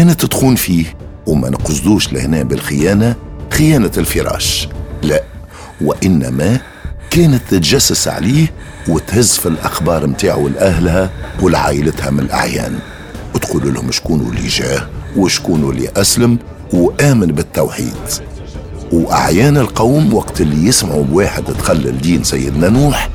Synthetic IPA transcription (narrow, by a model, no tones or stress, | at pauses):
kæːnət̪ːət̪xuːnfiːh | wmæ̰nqʊsd̪uːʃlɪ̰hnæːbɪlxɪjæːnaxɪjæːnalfɪɾˤɑ̰ːʃlæ | wɪʔɪnːæ̰mæ | kæːnət̪ːɪt̪ʒæsːəsʕa̰liːh | wɪt̪hɪzːfilʔɑxbɑːɾˤmt̪aːʕulʔæɦlɦæwɪlʕa̰ːʔɪlət̪hæmɪnɪlʔa̰ʕjæ̰ːn | wt̪quːlulhʊmʃkuːnṵlːḭʒæːhwɪʃkuːnulḭʔæsləm | wʔæːmənbɪt̪ːawħḭːd̪ | wʔa̰ʕjæːnɪlqɑwmwɑqt̪ɪlːijɪsmaʕubwaːħɪd̪t̪xalːə̰ld̪iːnsæjːɪd̪nænuːħ